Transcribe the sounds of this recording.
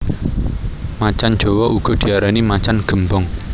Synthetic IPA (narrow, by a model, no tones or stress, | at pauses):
mat͡ʃan̥d͡ʒ̥ɔ̤wɔʔuɡ̥ɔ̤d̪̥i̤aɾanimat͡ʃanɡ̥ə̤mbɔŋ